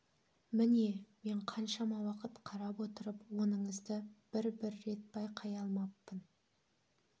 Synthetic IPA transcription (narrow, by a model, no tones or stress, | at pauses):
mɪneme̞ɴqʰɑnʃɑmɑwɑqət̪qʰɑɾɑpwo̞t̪əɾəpwo̞nəɴəzd̪əb̥ɪɾbɪɾːe̞t̪̚bɑjqʰɑjɑlˠmɑpːən